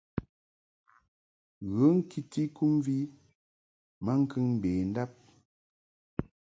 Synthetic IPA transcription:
ɣə˨˦ŋ̩˦kʰi˦ti˦ku˦mvi˦ | ma˦ŋ̩˦kɨ˦ŋm̩˨beː˨n̩˦da˦p̚

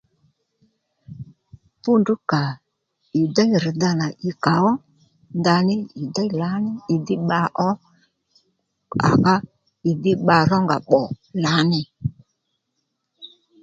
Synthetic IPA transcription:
pu˦ndu˦ka˨ | u˨da˦jɾɪ˨d̪a˧na˨ʔɪ˧ka˨˦wɔ˦ | nda˧nɪ˦ju˨da˦˨la˨˦nɪ˦ɪ˨dɪ˦ɓa˧ʔɔ˦ | a̰˨ka˦ | ɪ˨dɪ˦ɓa˧ɾɔ˦ŋɡa˨ɓɔ˨la˨˦nɪ˧

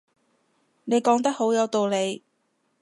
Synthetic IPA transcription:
ne˨˧jkɔː˨˥ŋt̪ɐ˥k̚ho˨˥wjɐ˨˧wt̪o˨wle˨˧j

